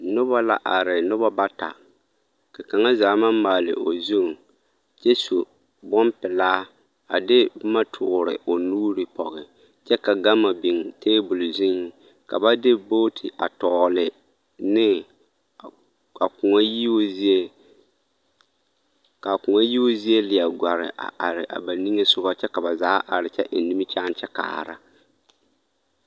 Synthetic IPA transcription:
nʊ˦βa˦la˦ʔa˨ɾɪ˨nʊ˦ba˦ba˦ta̰˨ | ka˨ka˨ŋa˦zaː˨˦ma˦mmːaː˨lɪ̰˨ʔo˨zu˦˨ŋ | t͡ʃɛ˦so˨ | bɔ˦mpɪ˨laː˦ | a˨dɪ˦ma˦tʰʊ˨ɾɪ̰˨o˨nuː˦ɾɪ˨pɔ̰˨ɣɪ˨ | t͡ʃɛ˦ka˨ɡa˦ma˨bi˨ŋ˨tʰeː˦bʊ˨lzɪ˦ŋ˨ | ka̰˨ba˦dɪ˦boː˦tʰɪ˨ʔa̰˨tɔː˨lɪ˨ | nɪ˦ | a˨kʊ˨ŋa˦ji˦o˦zi˦e˦ | ka˨kʊ˨ŋa˦ji˦o˦zi˦e˦lɪ˨a˨ɡʷa˨ɾɪ̰˨ʔa̰˨ʔa˨ɾɪ˨ʔa̰˨ba˨ni˦ŋe˦sʊ˦ɣa˦t͡ʃɛ˦ka˨ba˨zaː˨˦ʔa˨ɾɪ˨t͡ʃɛ˦ʔɪ˨n˨nːi˦mɪ˦t͡ʃa˦n˦t͡ʃɛ˦ka̰ː˨ɾa̰˦

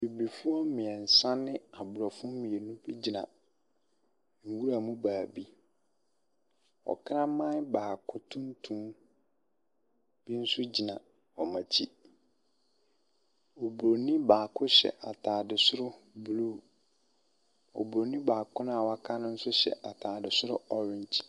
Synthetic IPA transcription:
bi˨bi˨fʊ˦ɔ˦mɪ̃˨ɛ˨n̩˨sã˦nɪ̃˦a˨bʊ˨ɾa˨fʊ̃˦mĩ˨e˨nũ˦bi˦d͡ʑi˨nã̰˨ | ŋ̩˨wu˦ɾa˨mũ˦baː˨bi˦ | ɔ̰˨kʰɾã˦mã˦n˦baː˨kʰʊ˨tʰʊ̃˦n˦tʰũ˦m | b̥i˦n̩˦sʊ˦d͡ʑi˨nã˨ | ɔ˨mã˨t͡ɕʰi˦ | o˨bɾo˨nĩ˦baː˨kʰʊ˦ɕɛ̰˨ʔa˨tʰaː˨dɪ˨sʊ˦ɾʊ˦bluː˦˨ | ɔ̰˨bo˨nĩ˦baː˨kʰʊ˦n˦a˨wa˦kʰa˦nʊ̃˦n̩˦sʊ˦ɕɛ̰˨ʔa˨tʰaː˨dɪ˨sʊ˦ɾʊ˦ɔ˨ɾɪ̃˦ɲt͡ɕʰi̥˦

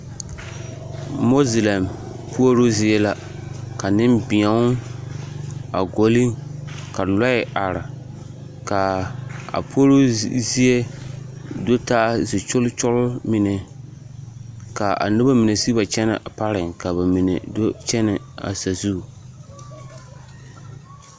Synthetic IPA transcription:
mo˦zi˨la˨m | pu˦o˦ɾo˦zɪ˦ɛ˦la˦ | ka˨nɪ˦mbɪ̃˨a˨˦ | a˨ɡo˨li˦ka˨la˦ɪ˨ʔa˨ɾɪ˨ | ka˨a̰˨pu˦o˦ɾo˦zi˦e˦ | do˦taː˦zɪ˨t͡ʃʊ˦lt͡ʃʊ˦lʊ˦mɪ˨nɛ˨ | ka˨ʔa̰˨nɪ˦ba˦mi˨ne˨si˦ba˨t͡ʃɛ˦nɪ̰˨ʔa˨pa˦ɾɪ˨ŋka˨bɛ˨mi˨nɛ̰˨do˦t͡ʃɛ˦nɪ˨a̰˨sa˨zu˦˨

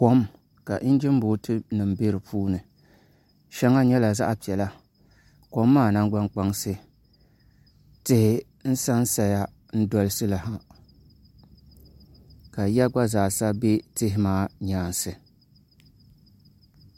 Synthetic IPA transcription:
ko˦m | ka˨ʔn̩˦d͡ʒɪ˦m˦boː˨˦tɨ˦nɨ˨mbe˦ɾɨ˨pʰuː˦nɨ˨ | ʃɛ˦ŋa˦ɲɛ˦la˨za̰˦ʔpi˨ɛ˨la˦ | ko˨mːaː˦˨na˦ŋ˦ɡ͡ba˦ŋk͡pa˦ŋsɨ˦ | tɨ˦hɪ˦ | n̩˦sa˦n˦sa˨ja˦ | n̩˦dɔ˦lɨ˦sɨ˦la˨ha˦ | ka˨ja˦ɡ͡ba˦zaː˨sa˦be˦tɪ˦ɦɪ˦maː˦ɲaː˦n˨sɨ˨

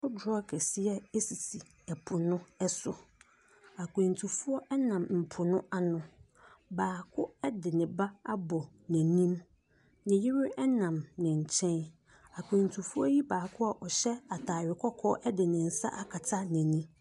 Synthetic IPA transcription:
ʊ˦dɾɔ˦kʰɛ˨sɪ˦ɛ˦e˦si˨si˨ | ɛ˨pʰʊ˨nʊ̃˦ɛ˦sʊ˨ | a˨kʷʰũ˨ntʰu˨fu˦ɔ˦ʔɛ˦nã˨mm̩˨pʰʊ˨nʊ̃˦a˦nʊ̃˨ | baː˨kʰʊ˦ɛ˦dɪ˨nɪ̃˨ba˦a˦bɔ˨ | nɛ̃˨nĩ˦m | nɪ̃˨jɪ˦ɾɪ˦ɛ˦nã˨mnɪ̃˨ɲ̩˨t͡ɕʰɛ̃˦n | a˨kʰʊ̃˨n˨tʰu˨fu˦ɔ˦ji˦baː˨kʰʊ˦a˨ʔɔ˨ɕɛ˦a˨tʰaː˨ɥɪ˨kʰɔ˦kʰɔː˦ʔɛ˦dɪ˨nɪ̃˨n̩˨sa̰˦ʔa˦kʰa˨tʰa˦nɛ̃˨nĩ˦

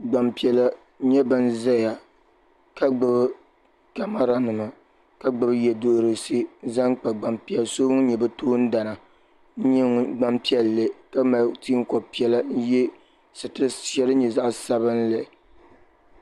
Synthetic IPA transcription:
ɡ͡ba˨mpi˨ɛ˨la˦ | ɲɛ˦bɨ˦n˦za˦ja˨ | ka˦ɡ͡bɨ˨b | ka˨ma˦ɾa˦nɨ˨ma˨ | ka˦ɡ͡bɨ˨bɨ˦jɛ˨do˨ʔɾɨ˨si˦za˦ŋk͡pa˨ɡ͡ba˨mpi˦ɛ˨lso˦ŋ˦ɲɛ˨bɛ˦toː˦n̩˦da˨na˨˦ | ɲɛ˦ŋ˨ɡ͡ba˦mpi˦ɛ˨lːe˨ka˦ma˨tiː˦ŋ˦kɔ˨bpi˨ɛ˨la˦n̩˦jɛ˦ | sɨ˨tɨ˦ɛ˦lɨ˦ɲɛ˨za˦ʔsa˦bɨ˦n̩˦lɨ˨

